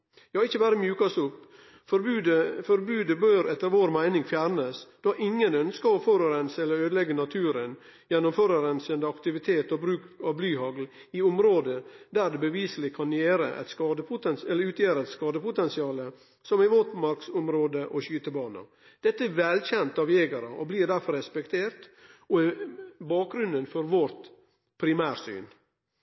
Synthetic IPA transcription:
hɑɪçːəʋæːɾəmjʉːkɑsʊp | fɔɾʉd̪əfɔɾbʉːd̪əbøːɾɛt̪ːəɾʋoːɾmæɪnɪŋfjæːɾnəsd̪̥ɑʔɪŋːənœnskəɔføːɾəɾɛnsɛlːəɾøːd̪əlɛɡːənɑt̪ʰʉːɾən | jɛnːʊmføːɾəɾɛnsənd̪əɑkt̪ɪʋɪt̪ʰeːt̪ɔbɾʉːkɑʋblyːɦɑɡl | ɪʊmɾoːd̪əd̪æɾd̪ɛbəʋiːsəlɪkʰɑnjeːɾə̰ʔɛ̰t̪skɑːd̪əpʰʊt̪ɛnsɛləʉːt̪ʰjæːɾəɛt̪skɑːd̪əpʊt̪ɛnsɪɑːlə | sɔmɪʋɔt̪mɑɾksɔmɾoːd̪əʔɔɕyːt̪əbɑːnɑ̰ | d̪̥ɛt̪ːəɛɾʋɛlçɛnt̪ɑʋjeːɡɑɾɑʔɔbliːɾd̪æɾfɔɾɛspɛkt̪ʰeːɾt̪ɔɛbɑːk̚ɡɾʉnd̪ənfɔɾʋɔɾt̪ | pʰɾɪmæːɾsy̰ːn

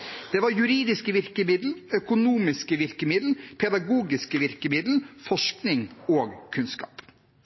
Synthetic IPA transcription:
d̪̥ɛːʋɑɾjʉɾiːd̪ɪskəʋɪɾkəmɪd̪l̩œkʊnuːmɪskəʋɪɾkəmɪd̪l̩pʰɛd̪ɑɡuːɡɪskəʋɪɾkəmɪd̪l̩fɔʂknɪŋoːɡkʰʉnskɑ̰ːp

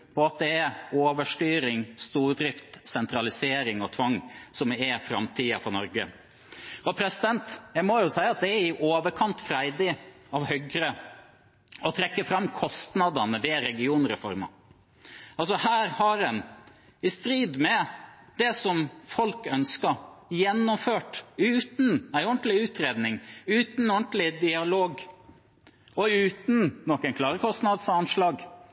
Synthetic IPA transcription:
pʰɔɑt̪̚d̪ɛɛoːʋəʂʈyːɾɪŋst̪uːɾd̪ɾɪft̪sɛnt̪ɾɑlɪseːɾɪŋɔt̪ʰʋɑŋːsɔmɛfɾɑ̰mt̪ʰiːɑfɔnɔɾɡə̰ | ɔpʰɾɛsɪd̪ɛnt̪jæɪmɔjʊsæɪɑt̪̚d̪ɛæɾɪʔoːʋəɾkʰɑnt̪fɾæɪd̪ɪ | ɑʋhœɡɾə | ɔt̪ʰɾɛkːəfɾɑmːkʰɔst̪nɑd̪ɑnəʋɛɾɛɡɪuːnɾɛfɔ̰ɾmɑ̰ | ɑlsɔhæːɾhɑɾɛn | ɪst̪ɾiːd̪mɛ | d̪ɛsɔmfɔlkœnskɑjɛnːɔmføːʈʉːt̪n̩æɪɔɳʈ̪lɪʉːt̪ɾeːd̪nɪŋʉːt̪nɔɳt̪lɪd̪ɪɑloːɡ | ɔʉːt̪nːɔkːənkʰlɑːɾəkʰɔst̪nɑd̪sɑnʂlɑːɡ

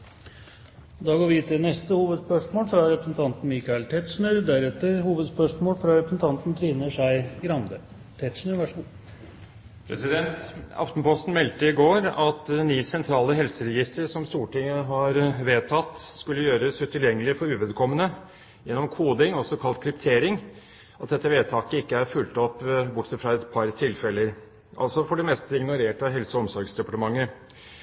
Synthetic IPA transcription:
d̪ɑːɡoːʋɪt̪ʰɪnɛst̪əhuːʋəd̪spœʂmoːlfɾɑɾɛpɾəsn̩t̪ʰɑnt̪n̩miːkɑɛlt̪ʰɛt̪ʂnøɾd̪æɾɛt̪ːəɾhuːʋəd̪spœʂmoːlfɾɑɾɛpɾəsn̩t̪ʰɑnt̪n̩t̪ʰɾiːnəʂæɪɡɾɑnd̪ə | t̪ʰɛt̪ʂnəʋæʂ | pʰɾɛ̰sɪd̪ɛnt̪ɑ̰ft̪n̩pɔst̪n̩mɛlt̪əɪɡoːɾɑt̪niːsɛnt̪ʰɾɑːləɦɛlsəɾɛjɪst̪əɾʂɔmst̪uːʈɪŋːəɦɑɾʋeːt̪ʰɑt̪ːskʉlːəjøːɾəsʉt̪ʰɪljɛŋːəlɪfɔɾʉːʋɛd̪kʰɔmːənə | jɛnːɔmkʰuːd̪ɪŋɔsɔkʰɑlt̪̚kʰɾɪpt̪ʰeːɾɪŋ | ɑt̪̚d̪ɛt̪ːəʋeːt̪ʰɑːkəɪkːəæɾfʉlt̪ɔpːbʊʈːsɛt̪fɾɑɛt̪pʰɑɾt̪ʰɪlfɛlːəɾ | ʔɑ̰lsɔfɔɖɛmɛst̪əɪɡnʊɾeːʈəɦɛlsəɔɔmsɔɾɡsd̪ɛpɑʈəmɑŋːə

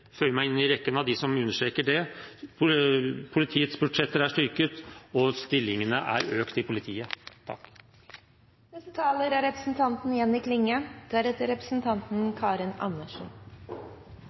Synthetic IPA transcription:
føːmæɪɪnɪɾɛkːənɑʋd̪ɪsɔmʉnːəʂʈeːkəɖɛ | pʰʊlɪt̪ʰiːət̪sbʉɖʂɛt̪ːəɾæʂʈʏɾkət̪ɔst̪ɪlːɪŋənəʔæ̰ɾøːkt̪ɪpʰʊlɪt̪ʰiːət̪ʰɑ̰kː | d̪ɛst̪ət̪ʰɑːləɾæɾɛpɾəsn̩t̪ʰɑnt̪n̩jɛnːɪkʰlɪŋːəd̪̥æɾɛt̪ːəɾɛpɾəsn̩t̪ʰɑnt̪n̩kʰɑːɾɪnɑ̰nːəʂɔn

